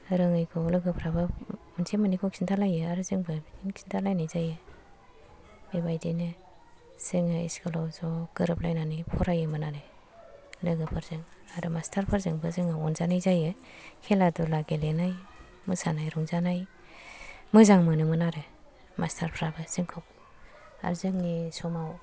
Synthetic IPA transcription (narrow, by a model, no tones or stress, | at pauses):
ɾɯŋɯjkʰɔlɯɡɯpʰɾabɯmɯnsʰemanikʰɔkʰintʰalajɯaɾɯzɯŋbɯinkʰi̥ntʰalajnajzajɯ | ebajdinɯ | sɯŋɯḭskʰɯlɔwzɔɡ̥ɯɾɯplajnanɯjpʰɔɾajɯmɯnaɾe | lɯɡɯpʰɯɾzɯŋaɾɯmastʰaɾpʰɯɾzɯŋbɯzɯŋawɔnzanajzajɯ | kʰeladulaɡelenaj | mɯsanajɾɔŋzanaj | mɯzaŋmɯnɯmɯnaɾe | mastʰaɾpʰɾabɯz̥ɯŋkʰɔk̚ | a̰ɾzɯŋnisɔmaw